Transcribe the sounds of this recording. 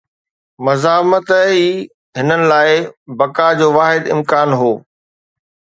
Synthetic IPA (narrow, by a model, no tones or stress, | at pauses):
mɐzaːmət̪əiː | ɦɪnənɪ̆laːɪbɐkad͡ʑoːʋaːɦɪd̪ɪ̰mkaːnɦoː